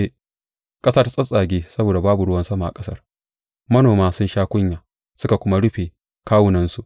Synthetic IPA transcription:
e˦ | kʼɐ˦saː˦ta˦sʼɐ˦sʼaː˨ɡʲeː˦sɐ˦boː˨da˨baː˦bu˨ɽʊ˦wɐ˦nsɐ˦ma˨ʔa˨kʼɐ˦sɐ˦r | mɐ˦noː˨maː˦sʊ˦nʃaː˦kʷʊ˦ɲjaː˨ | sʊ˦ka˨kʷʊ˦ma˦ɽʊ˦ɸeː˨ | kaː˦wʊ˨nɐ˦nsu˨ʔ

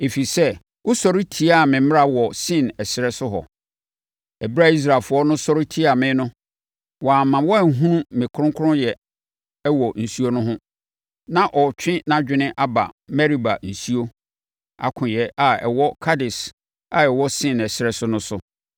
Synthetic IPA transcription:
e˨fi˨sɛ˦ | wʊ˦sɔ˨ɾi˦tʰi˦a˦˨mɪ̃˨˦m̃˦a˦wɔ˨sɪ̃˦˨nɛ˨sɪ˨ɾɛ˦sʊ˦ɦɔ̰˨ | ɛ˨bɾa˦i˦s̬ɾa˨fʊ˨˦ɔ˦nʊ̃˦sɔ˦ɾɪ˦tʰi˦a˨mɪ̃˦nʊ̃˦ | wɔ˨a˨mã˨wɔ˦æ˨ɦũ˦nũ˦mɪ̃˨kʰʊ˦ʊ̃˦ŋ˦kʰʊ˦ʊ̃˦jɛ˨ | ɛ˦wɔ˨n̩˨su˦o˦nʊ̃˦ɦʊ̃˦ | nã˦ʔɔ˨t͡ɕᶣʰɪ̃˦nã˦d͡ʑᶣɪ˦nɪ̃˦ʔa˦ba̰˨mɛ˦ɾi˨ba̰˨n̩˨su˦o˦ | a̰˨kʰʊ̃˨jɛ˨ʔa˨ɛ̰˨wɔ˦kʰa˦dɪ˨s | a˨ɛ˨wɔ˦sɪ̃˦˨nɛ˨sɪ˨ɾɛ˦sʊ˦nʊ̃˦sʊ˦

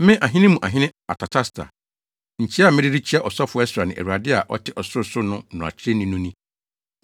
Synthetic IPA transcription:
mɪ̃˦ʔa˨ɦɪ̃˦nɪ̃˦mũ˨ʔa˨ɦɪ̃˦nɪ̃˦a̰˨tʰa˨tʰa˦stʰa̰˨ | ɲ̩˨t͡ɕʰi˦a˦˨mɪ̃˦ɾɪ˦ɾi˦t͡ɕʰi˦a˦ʔɔ˨sɔ˦fʊ˨˦ɛ˦sʊ˨ɾa˨nɪ̃˨ʔɛ̰˨ɾu˨a˨dɪ˦a˨ʔɔ̰˦tʰɪ˦ʔɔ˨sʊ˦sʊ˦nʊ̃˦nʊ̃˨a̰˨t͡ɕʰɪ˦ɾe˦nɪ̃˦nʊ̃˦nĩ˦

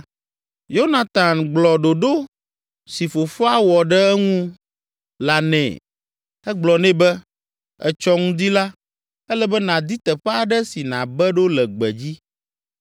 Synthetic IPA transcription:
jo˦na˨t̪ã˨nɡ͡blɔ˨ɖo˨ɖo˦ | si˨fo˨fo˦a˦wɔ˨ɖɛ˦ɛ˦ŋũ˦ | la˨nɛ̰̃˨ | ɛ˦ɡ͡blɔ˨nɛ̃˦bɛ˦ | ɛ̰˨t͡ʃɔ˦ŋũ˦d̪i˦la˦ | ɛ˦lɛ˦bɛ˦nã˨d̪i˦t̪ɛ˨ɸɛ˦a˨ɖɛ˦si˨nã˨bɛ˦ɖo˦lɛ˨ɡ͡bɛ̰˨d͡ʑi˦

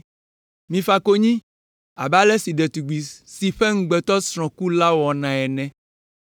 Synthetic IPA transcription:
mĩ˨fa˦ko˦ɲĩ˦ | a˨ba˦lɛ˦si˨ɖɛ˨t̪u˨ɡ͡bi˨si˨ɸe˦ŋ̩˦ɡ͡bɛ˨t̪ɔ˦sɾ̃ɔ̃˨ku˦la˦wɔ˨nã˨ɛ˨nɛ̃˨˦

